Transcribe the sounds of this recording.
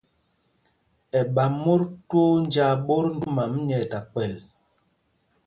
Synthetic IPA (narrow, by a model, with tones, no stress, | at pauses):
ɛ˨ɓa˨mo˦ɾto˦n˦d͡ʒa˦˨ɓo˦ɾn̩˦du˦ma˨mɲɛ˨ta˨k͡pɛ˨l